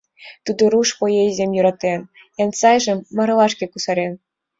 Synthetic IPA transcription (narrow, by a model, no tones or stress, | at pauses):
t̪ud̪oɾuʃpojejzʲemʲjuɾɑt̪en | jɑnsɑjʒĕmːɤ̆ɾɤ̆lˠɑʃkʲĕkusɑɾʲen